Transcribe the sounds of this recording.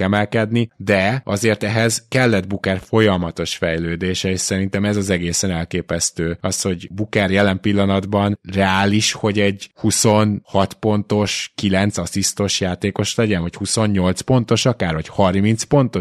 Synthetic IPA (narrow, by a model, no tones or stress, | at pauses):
kɛmɛlkɛd̪nid̪ɛɒ̰zeːrt̪ɛɦɛzkɛlːɛd̪bukɛrfo̞jɒmɒt̪o̞ʃfɛjløːd̪eːʃɛeʃsɛɾint̪ɛmɛzɒzɛɡeːsɛnɛlkeːpɛst̪øːɒsho̞ɟbukɛrjɛlɛmpilːɒnɒd̪bɒnrɛaːliʃho̞ɟɛɟhuso̞nhɒt̪po̞nt̪o̞ʃkilɛnt̪sɒsist̪o̞ʃjaːt̪eːko̞ʃlɛɟɛnvɒchuso̞nɲo̞lt̪spo̞n̪t̪o̞ʃɒkaːrvɒchɒrmint̪spo̞nt̪o̞